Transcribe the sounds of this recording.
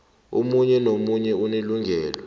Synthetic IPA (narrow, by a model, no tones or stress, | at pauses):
ṵmuɲɛnomuɲɛuneluŋɡʱɛːla